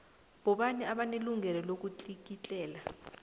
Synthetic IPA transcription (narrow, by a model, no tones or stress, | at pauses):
ɓɔɓaniʔaɓaneluŋɛlɔlok̬ut͡ɬʼik̬it͡ɬʼɛːla